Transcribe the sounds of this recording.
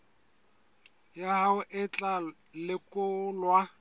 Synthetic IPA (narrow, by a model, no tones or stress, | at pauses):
jahaʊʔɪt͡ɬʼa | lɪkʼʊlwa